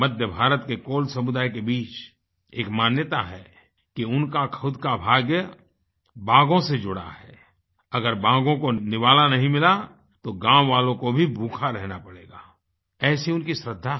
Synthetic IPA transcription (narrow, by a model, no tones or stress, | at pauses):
mɐd̪ʱjəbʱaːɾət̪kekoːlsɐmʊd̪aːjkebiːt͡ʃ | eːkmaːnjət̪aɦɛː | kiʊnkakʰəʊd̪kabʱaːɡjə | baːɡõsed͡ʒʊɽa̰ɦɛː | ɐɡəɾbaːɡõkonɪʋaːlanɐɦĩmɪla | t̪oɡãːwʋaːlõkobʱibʱuːkʰaɾɛɦnapɐɽeːɡaː | ɛːsiʊnkisɾəd̪ʱːa